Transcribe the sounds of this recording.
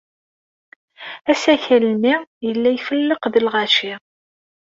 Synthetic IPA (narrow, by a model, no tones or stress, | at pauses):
æsæçælmijəlːæjfəlːəqðəlʁæʃɪ